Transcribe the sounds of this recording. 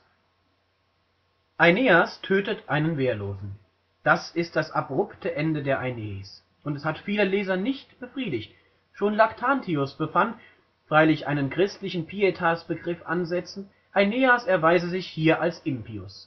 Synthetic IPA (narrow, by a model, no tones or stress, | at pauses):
ʔaɪneːastʰøːtətʰʔaɪnənveːɐloːzn̩ | d̥asɪst̚d̥asabʁʊptəʔɛndədeːɐʔaɪneːs | ʔʊntɛshatfiːləlɛːzɐnɪçtb̥əfʁ̥iːdɪçt | ʃoːnlaktʰantʰiʊsb̥əfant | fʁ̥aɪlɪçʔaɪnənkʁ̥ɪstlɪçn̩pʰietʰasb̥əɡʁɪfʔanzɛt͡sn̩ | ʔaɪneːasɛɐvaɪzəzɪçhiːɐʔalsʔɪmpiʊ̰s